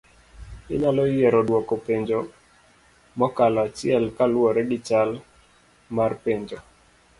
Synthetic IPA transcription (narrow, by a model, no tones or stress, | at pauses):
ɪ̰ɲalɔjɛɾɔdwɔkɔpeɲd͡ʒo | mɔkalɔat͡ʃɪɛlkalwɔɾɛɡɪt͡ʃal | marpeɲd͡ʒo